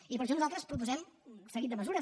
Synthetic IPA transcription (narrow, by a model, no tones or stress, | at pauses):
ipəɾʃ̬ɔnuzalˠt̪ɾəspɾup̬uzɛmsəɣit̪d̪məzuɾə